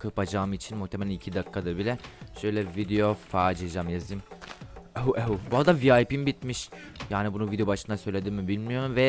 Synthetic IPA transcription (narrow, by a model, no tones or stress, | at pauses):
kʰɯpad͡ʒaːmit͡ʃʰinmuht̪ʰemelʲænicʰid̪akʰːad̪ɯɾbilʲɛʃø̞jlʲɛvid̪ejo̞faːd͡ʒiad͡ʒamjazɯm | euʔeubuɦad̪aviajpimbit̪miʃjaːnibunuvid̪ejo̞baʃɯnd̪asø̞jlʲe̞d̪imːibilʲmijo̞ɾumvɛ